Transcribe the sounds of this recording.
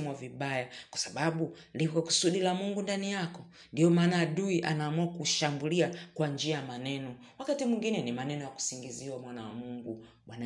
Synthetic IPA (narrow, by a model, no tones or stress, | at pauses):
muwaviɓajakwasaɓaɓu | lipkwaku̥suɗilamuŋɡundanijakɔ | ndijɔmaːnaːɗuiʔanaːmuakuʃambuliakwand͡ʒiajamanɛnɔ | wakatimwiŋɡinɛnimanɛnɔjaku̥siŋɡiziwamwanawamuŋɡu | ɓwana